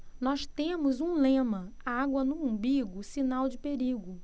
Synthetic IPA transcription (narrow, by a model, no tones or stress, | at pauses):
nɔʃt̪ẽmʊzũlẽmɐ | aɡwɐnʊũbiɡʊsinawd͡ʒɪpeɾiɡʊ